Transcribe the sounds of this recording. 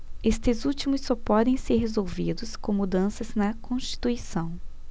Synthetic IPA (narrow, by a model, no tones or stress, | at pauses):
est̪ɪzut͡ʃimʊsːɔpɔd̪ẽj̃seɾɦezowvid̪ʊskõw̃mud̪ɐ̃sɐznɐkõst͡ʃi̥t̪uisɐ̃w̃